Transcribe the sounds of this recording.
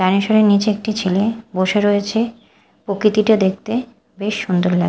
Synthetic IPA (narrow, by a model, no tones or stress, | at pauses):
d͡ʒaneʃɔɾenit͡ɕeek̚ʈit͡ɕʰileboʃeɾoet͡ɕʰe | pɾokit̪iʈid̪ek̚ʰt̪e | beʃːund̪oɾla